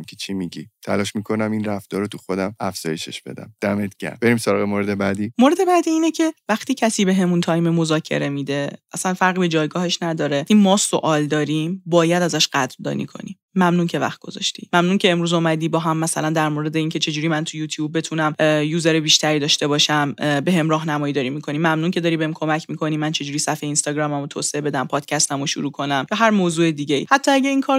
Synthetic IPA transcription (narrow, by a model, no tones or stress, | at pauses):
mkʲʰet͡ʃʰimiɟḭt̪ʰæ̰lɒːʃmikʰo̞næminræfd̪̥ɒːɾot̪ʰuxo̞d̪æmæfz̥ɒ̰ːje̞ʃḛʃb̥e̞̰d̪æ̰md̪̥æmet̪̚ɟ̥æ̰b̥eɾimsoɾɒːɣemoɾed̪ebæd̪iːmoɾe̞d̪e̞bæd̪iːiːnecʰe̞væχt̪iːcʰæsiːbe̞ɦe̞munt̪ʰɒːjmemo̞zɒːcʰe̞̰ɾe̞mid̪e̞æsænfæɾʁiːbe̞d͡ʒɒːjɡɒːhe̞ʃnæd̪ɒːɾe̞imɒːso̰ʔɒːld̪ɒːɾimbɒːjæd̪æzæʃɢ̥æd̪ɾd̪ɒ̰ːnḭːkʰo̞̰nḭ | mæmnuːncʰe̞væ̰χt̪̚ɡo̞̰zɒ̰ʃt̪ḭmæmnuncʰeemɾuːzomæd̪iːbɒːɦæmːæsælænd̪æɾmoːɾe̞d̪eiːncʰe̞t͡ʃʰe̞d͡ʒuːɾiːmænt̪ʰujuːt̪ʰjuːbːe̞t̪ʰunæmjuːzeɾebiːʃt̪ʰæɾiːd̪ɒːʃt̪e̞bɒːʃæmbeɦe̞mɾɒːɦnæmɒːjiːd̪ɒːɾiːmikʰo̞nimæmnuːncʰeɒɾiːbe̞hemkʰo̞mæcʰmikʰo̞niːmænt͡ʃʰe̞d͡ʒuːɾiːsæfejeiːnst̪ɒːɡɾɒːmæmot̪ʰo̰ːseebe̞d̪æmpʰɒːd̪̥cʰæst̪æmoʃṵɾuːkʰo̞næmjɒːɦæɾmoːzuːe̞d̪iːɟeḭːhæt̪ʰːɒːæɟæiːnkʰɒːɾ